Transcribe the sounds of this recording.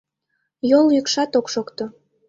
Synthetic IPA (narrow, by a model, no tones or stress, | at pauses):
joljykʃɑt̪okʃokt̪o